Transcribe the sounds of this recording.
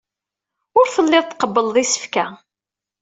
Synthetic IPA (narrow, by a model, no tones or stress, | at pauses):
ʊɾfəlːɪðˤt̪ːqəbːəlðˤisə̥fkæ